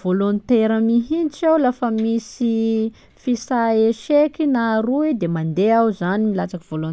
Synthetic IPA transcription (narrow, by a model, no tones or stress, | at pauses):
volont̪eɾəmiɦint͡ʃewlafəmisi | fisaeʃekinaɾuid̪emand̪eawzanimilat͡sakivolon